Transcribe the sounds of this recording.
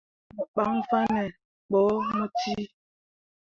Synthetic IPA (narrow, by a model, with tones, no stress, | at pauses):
mə˨ɓa˦ŋ˦fa˦nɛ˨ | ɓɔ˨˦mo˦ti˦